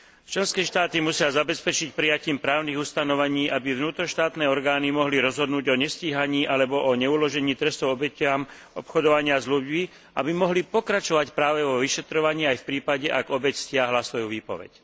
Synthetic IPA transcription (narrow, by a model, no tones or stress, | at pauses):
t͡ʃlɛnskɛːʃt̪aːt̪imusɪazabɛspɛt͡ʃicpɾijaciːmpɾaːʊniːɣust̪anɔʋaɲiːʔabiʋnuːt̪ɾɔʃt̪aːt̪nɛːɔɾɡaːnimɔɦliɾɔzɦɔd̪nuːɟɔɲɛsciːɦaɲiːʔalɛbɔʔɔɲɛulɔʒɛɲiːt̪ɾɛst̪ɔʊɔbɛcam | ɔ̰pxɔd̪ɔʋaɲɪazluɟmi | ʔa̰bimɔɦlipɔkɾat͡ʃɔʋacpɾaːʋɛʋɔʋiʃɛt̪ɾɔʋaɲiːajfpɾiːpaɟɛʔaɡɔbɛcscɪaɦlasʋɔjuʋiːpɔ̰ʋɛ̰c